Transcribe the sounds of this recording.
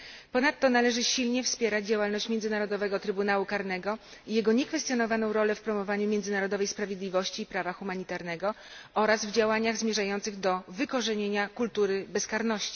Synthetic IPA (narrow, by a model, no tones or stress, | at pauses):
pɔnat̪ːɔnalɛʐɘɕilɲɛfspʲjɛɾad͡ʑd͡ʑawalnɔɕt͡ɕmʲjɛndzɘnaɾɔd̪ɔvɛɡɔt̪ɾɘbunawukaɾnɛɡɔ | ijɛɡɔɲɛkfɛst̪jɔnɔvanɔ̃w̃ɾɔlɛfpɾɔmɔvaɲumʲjɛnd̪zɘnaɾɔd̪ɔvɛjspɾavʲjed̪lʲivɔɕt͡ɕiːpɾavaxumaɲit̪aɾnɛɡɔ | ɔɾazvd͡ʑawaɲaɣzmʲjɛʐajɔnt̪sɘɣd̪ɔvɘkɔʐɛɲeɲakult̪uɾɘbɛskaɾnɔɕt͡ɕi̥